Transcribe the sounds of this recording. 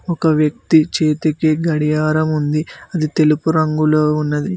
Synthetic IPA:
ɔkɐʋjɐk̚t̪it͡ʃeːt̪ekiɡɐɽijaːɾɐmund̪iɐd̪it̪e̞lupuɾɐŋɡulo̞ːunːɐd̪i

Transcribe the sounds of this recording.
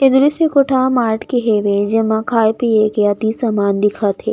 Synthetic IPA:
ed̪ɾisekoʈʰamaːɾʈʰkeɦeːʋed͡ʒɐmãkʰaːjpiekeɐt̪isamaːnd̪ɪkʰat̪ʰeː

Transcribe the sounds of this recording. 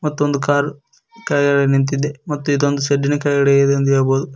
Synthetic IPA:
mɐt̪ːuond̪ukaːɾ | kɐjɡɐɭenint̪̬id̪ːemɐt̪ːuid̪ond̪useɖːinukɐjɡɐɽeɡed̪nd̪ieːɐboːd̪u

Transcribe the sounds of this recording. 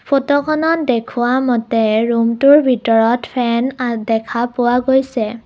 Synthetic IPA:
pʰotɔkʰɔnɔtdekʰʊwamɔtɛɹumtʊɹbʱitɔɹɔtpʰɛndɛkʰapʊwaɡojsɛ

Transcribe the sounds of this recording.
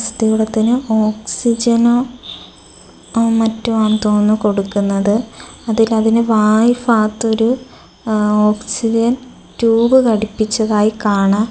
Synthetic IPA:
st̪iɣuɽɐt̪ːinɨo̞ːksid͡ʑɐno̞ː | mɐtːuʋaːmt̪oːnːɨko̞ɽukːunːɐðɨɐðilɐðinɨʋaːjfaːt̪ːo̞ɾu | o̞ːksid͡ʑɐn | tuːbɨkɐɽipːit͡ɕːɐðaːjikaːɳa

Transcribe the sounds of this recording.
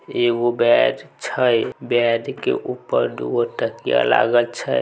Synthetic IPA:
eɡobɛɖt͡ʃʰəjbɛdkḛʔupːəɾd̪uəʈəkija̰la̰ɡəlt͡ʃʰə

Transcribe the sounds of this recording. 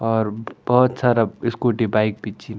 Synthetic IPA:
ɔɾbɔɦut̪saɾaɪskoʈibaik̚bitːt͡ʃin

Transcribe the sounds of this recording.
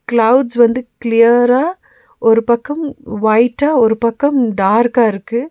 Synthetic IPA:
klɐʊɖsʋɐnd̪ɯklɪjɐɾaː | ɔɾɯpɐkːɐmʋɐɪʈːaːɔɾɯpɐkːɐmɖaːɾkaːɪɾɯkːɯ

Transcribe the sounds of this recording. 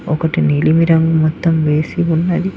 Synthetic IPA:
ɔkɐʈinilimiɾɐŋɡumɔt̪ːɐmʋe̞ːsiunːɐd̪i

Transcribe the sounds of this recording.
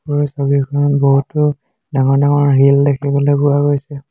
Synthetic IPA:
ɔɹsobikʰɔnbɔɦutːʊ | daŋɔɹdaŋɔɹɦildekʰibɔlɔbuaɡojsɛ

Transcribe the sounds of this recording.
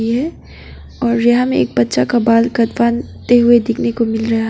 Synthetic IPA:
iɦɛː | ɔːɾjɐɦãmẽḛːk̚bɐt̪ːʃakabaːlkɐt̪ʋaːn | t̪eɦʊed̪ɪkʰnekomɪlɾɐɦaɦ

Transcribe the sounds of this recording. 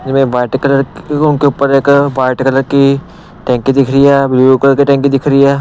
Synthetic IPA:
mẽːʋaːjʈkələɾʊnkeʊpːəɾekʋaːɪʈkələɾki | ʈɛ̃ːŋkid̪ɪkʰɾijaːbliuklɾkiʈɛ̃ːŋkĩd̪ɪkʰɾiaː

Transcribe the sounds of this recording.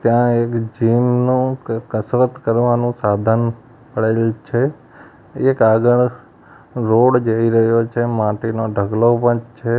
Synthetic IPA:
t̪jãekd͡ʒimnũkəsɾət̪kəɾʋanũsad̪ʱən | pəɽelt͡ʃʰe | ekaɡəɭ | ɾoɽd͡ʒəiɾəɦjot͡ʃʰemãʈinoɖʱəɡlopəɳt͡ʃʰe

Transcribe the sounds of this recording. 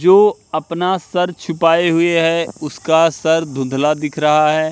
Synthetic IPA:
d͡ʒoːɐpnasɐɾt͡ʃʰʊpaːeɦʊeɦɛ̃ʊskasɐɾd̪ʱʊ̃nd̪ʱlad̪ɪkʰɾɐɦaɦɛː

